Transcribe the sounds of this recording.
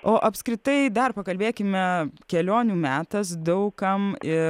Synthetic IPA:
ʔoːʔɐpskɾʲɪt̪ɐɪd̪ɐrpɐkɐlʲbʲeːkʲɪmʲɛkʲɛlʲoːnʲuːmʲæːt̪ɐsd̪ɐʊkɐmɪ

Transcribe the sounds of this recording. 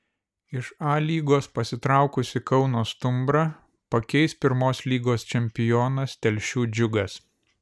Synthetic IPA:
ɪʃɑːlʲiːɡoːspɐsʲɪt̪ɾɑˑʊkʊsʲɪkɐʊnoːst̪ʊmbɾɐ | pɐkʲɛɪspʲɪɾmoːslʲiːɡoːst͡ʃʲɛmʲpʲɪjoːnɐst̪ʲɛlʲʃʲuːd͡ʒʲʊɡɐs

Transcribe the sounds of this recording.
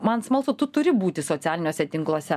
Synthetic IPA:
mɐnsmɐlˠsut̪ʊt̪ʊɾʲɪbuːt̪ʲɪsoːt̪sʲæːlʲɪnʲoːsʲɛt̪ʲɪŋklˠoːsʲɛ

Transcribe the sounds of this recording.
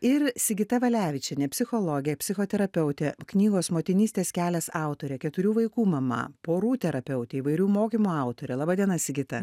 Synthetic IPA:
ɪɾsʲɪɡʲɪt̪ɐʋɐlʲæːʋʲɪt͡ʃʲɛnʲɛpʲsʲɪxoːlˠoɡʲɪjɛpʲsʲɪxoːt̪ʲɛɾɐpʲɛʊt̪ʲeːknʲiːɡoːsmoːt̪ʲɪnʲiːsʲt̪ʲeːskʲæːlʲɛsɑˑʊt̪oːɾʲɛkʲɛt̪ʊɾʲuːʋɐɪkuːmɐmɐ̰poːɾuːt̪ʲɛɾɐpʲɛʊt̪ʲeːiːʋɐɪɾʲuːmoːkʲiːmuːɑˑʊt̪oːɾʲɛlˠɑːbɑːd̪ʲiɛnɐsʲɪɡʲɪt̪ɐ

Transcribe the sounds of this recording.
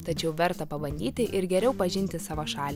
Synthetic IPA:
t̪ɐt͡ʃʲɛʊʋʲɛɾt̪ɐpɐbɐnʲd̪ʲiːt̪ʲɪʔɪɾɡʲɛɾʲɛʊpɐʒʲɪnʲt̪ʲɪsɑːʋɐʃɑːlʲ

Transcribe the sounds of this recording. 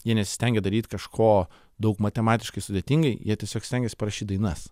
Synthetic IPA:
jiɛnʲɛtsʲɪ̥sʲt̪ʲɛŋʲɡʲɛd̪ɐɾʲiːt̪ʲkɐʃkʰoː | d̪ɐʊkmɐt̪ʲɛmɑːt̪ʲɪʃkɐɪsʊd̪ʲeːt̪ʲiŋɡɐɪjiɛtʲiɛsʲoːkst̪ʲɛŋʲɡʲɛːsʲpɐɾɐʃʲiːt̚d̪ɐɪnɐs

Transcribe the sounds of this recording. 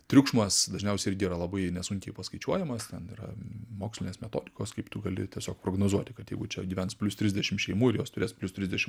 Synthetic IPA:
t̪ʲɾʲʊkʃmɐsd̪ɐʒʲnʲɛʊsʲɛɪɪɾʲɡʲɪiːɾɐlˠɐbɐɪnʲɛsʊŋʲkʲɛɪpɐskɐɪt͡ʃʲuɔjɛmɐst̪ʲɛnḭɾɐ̰moːksʲlʲɪnʲeːsmʲɛt̪o̰ːd̪ʲɪkoːskɐɪpt̪ʊɡɐlʲɪ̰t̪ʲiɛsʲoːk̚pɾoːɡnoːzuɔt̪ʲɪkɐt̪jɛɪɡʊt͡ʃʲɛɡʲiːʋʲɛntspʲlʲʊst̪ʲɾʲɪzʲdʲɛʃʲɪmʃʲɛɪmuːɪɾjoːst̪ʊɾʲeːspʲlʲʊst̪ʲɾʲɪzʲd̪ʲɛʃʲɪm

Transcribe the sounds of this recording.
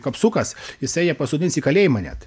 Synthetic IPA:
kɐpsuːkɐsjɪsɛɪjɛpɐsʊd̪ʲɪnsiːkɐlʲeːjɪmɐnʲæ̰t̪

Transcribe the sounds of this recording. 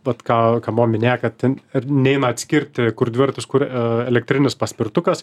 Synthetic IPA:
ʋɐt̪kɑːkɑːmoːmʲɪnʲeːjɛkɐt̪ʲɪnʲɛɪnɐɐt̪ʲsʲkʲɪɾʲt̪ʲkʊrd̪ʲʋʲɪrt̪ʲɪskʊɾɛlʲɛk̚t̪ʲɾʲɪnʲɪspɐsʲpʲɪrt̪ʊkɐs

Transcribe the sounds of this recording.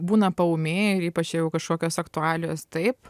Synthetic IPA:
buːnɐpɐʊmʲeːɪɾiːpɐt͡ʃjɛjɛʊkɐʃkoːkʲoːsɐkt̪ʊɑːlʲɪjoːst̪ɐɪp

